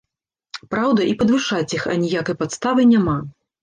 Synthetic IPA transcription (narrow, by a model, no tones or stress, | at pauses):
pɾawd̪ɐʔipɐd̪vɨʂat͡sʲixɐ̰nʲijakɐjpat̪st̪avɨnʲama